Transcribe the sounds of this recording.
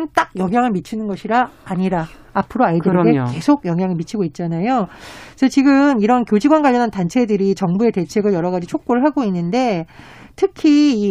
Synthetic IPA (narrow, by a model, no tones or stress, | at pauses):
nt͈ak̚jʌŋɦjaŋɯɭmit͡ɕʰinɯnɡʌɕʰiɾaːɲiɾaː | pʰɯɾoaɭdɯɾɡe̞ke̞sʰoɡjʌŋɦjaŋɯɭmit͡ɕʰiɡoit̚t͡ɕ͈anajoʌt͡ɕiɡɯmiɾʌnkjod͡ʑiɡwanɡwaʎːjːʌnantant͡ɕʰe̞dɯɾit͡ɕʌŋbue̞te̞t͡ɕʰe̞ɡɯɭjʌɾʌɡad͡ʑit͡ɕʰok̚k͈oɾɯɭɦaɡoinːɯnde̞ | tʰɯkʰiː